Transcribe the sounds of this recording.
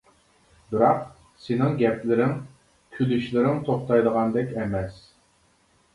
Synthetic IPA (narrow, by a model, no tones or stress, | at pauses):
bɪɾɑq | sɪnɪŋɡʲɛplɪɾɪŋ | kʲʰylyʃlɪɾɪŋt̪ʰoχt̪ɑjd̪əʁɑnd̪ɛkʲɛmɛs